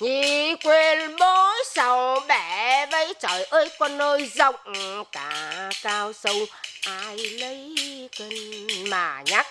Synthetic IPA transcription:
ɲi˧˩kwe˧nɓo˨˦jsa˨˩wɓɛ˧˩və˨˦jt͡ɕɔ˨˩jʔəː˧˦jkɔ˧nːəː˧jzə˧˨wŋ͡mkaː˨˦kaː˧wsə˧wʔaː˧jlə˨˦jke˧nmaː˨˩ɲa˦˥k̚

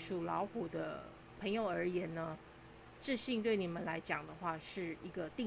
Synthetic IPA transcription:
ʂu˨˩lɑ˧˥ʊxu˨˩d̪ə̰˦ | pʰɤ˧˥ŋjo˨˧˩ʊə˞˧˥jɛ˧˥nnə˧ | ʈ͡ʂɻ̩˥˧ɕi˥˧ŋt̪we˥˩ɪni˨˩mə˦nla˧˥ɪt͡ɕjɑ˨˩ŋd̪ə˦xwa˥˧ʂɻ̩˥˩i˧˥ɡə˧t̪i˥˧

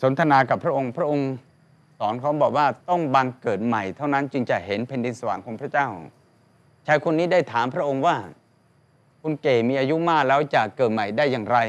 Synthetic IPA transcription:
so˩˦nt̪ʰa˧naː˧ka˨˩pʰɾa˥ʔo˧ŋpʰɾa˦˥ʔo˧ŋ | sɔː˩˦nkʰa˦˥wbɔː˨˩k̚waː˥˩t̪ɔ˥˩ŋba˧ŋkɤː˨˩t̪̚ma˨˩jt̪ʰa˥˩wna˦˥nt͡ɕɯ˧ŋt͡ɕa˨˩ʔɦe˩˦npʰe˧ndi˧nsa˧wa̰ː˨˩˦ŋkʰoː˩˧˦ŋpʰɾa˦˥t͡ɕaː˥˩w | t͡ɕʰaː˦˧˩jkʰu˧nːiː˦˥da˥˩jt̪ʰaː˩˦mpʰɾa˥ʔo˧ŋwaː˥˩ | kʰu˧nkeː˨˩miː˧ʔaː˧ju˦˥maː˥˩k̚lɛː˦˥wt͡ɕa˨˩kɤː˨˩t̪̚ma˨˩jdaː˥˩jːaː˨˩ŋɾa˧j

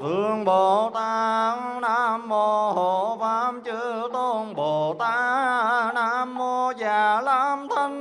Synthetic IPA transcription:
t̪ɨ˧˩˨əŋɓo˨˩t̪a˧ŋnaː˧˥mːo˧˩ɦo˧˨˩vaː˧˥mt͡ɕɨ˧˥t̪o˧ŋɓo˨˩t̪aː˧˥naː˧˥mːo˧zaː˨˩laː˧˥mt̪ʰə˧ŋ

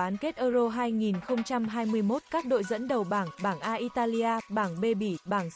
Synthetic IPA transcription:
aː˨˦nke˦˥t̚ʔəː˧zo˧ɦaː˧jŋi˨˩nxə˧wŋ͡mt͡ɕa˧mɦaː˧jmɨ˧əjmo˦˥t̚kaː˦˥k̚ɗo̰˧˨jzə̰˧˥nɗə˨˩wɓaː˧˩ŋɓaː˧˩ŋʔaː˧ʔi˧t̪aː˧li˧ʔaː˧ɓaː˧˩ŋɓe˧ɓi˧˩ɓaː˧˩ŋ

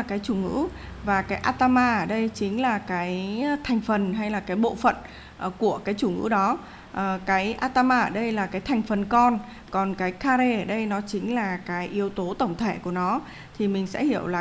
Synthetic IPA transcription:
a˨˩kaː˨˦jt͡ɕu˧˩ŋɨ̰˧˥vaː˨˩kaː˨˦jʔaː˧t̪aː˧maː˧ʔəː˧˩ɗə˧jt͡ɕï˨˦ŋ̟laː˨˩kaː˨˦jt̪ʰa˨˩jŋ̟fə˨˩nɦa˧jlaː˨˩kaː˨˦jɓo̰˧˨fə̰˧˨n˩ | ku˧˩əkaː˨˦jt͡ɕu˧˩ŋɨ̰˧˥ɗɔ˨˦ | ʔkaː˨˦jʔaː˧t̪aː˧maː˧əː˧˩ɗə˧jlaː˨˩kaː˨˦jt̪ʰa˨˩jŋ̟fə˨˩nkɔ˧n | kɔ˨˩nkaː˨˦jkaː˧ɾe˧ə˨˩ɗə˧jnɔ˨˦t͡ɕï˨˦ŋ̟laː˨˩kaː˨˦jʔi˨˦əwt̪o˨˦t̪ə˧˩wŋ͡mt̪ʰe˧˩ku˧˩ənɔ˨˦ | t̪ʰi˨˩mï˨˩ŋ̟sɛ̰˧˥hi˧˩əwlaː˨

